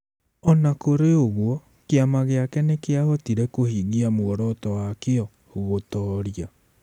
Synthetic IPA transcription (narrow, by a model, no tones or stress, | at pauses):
ɔnakoɾeoɣwɔ | keamaɣeakɛnekeahɔtiɾɛkohiɣiamoɣɔɾɔtɔwakeɔ | oɣotɔɾia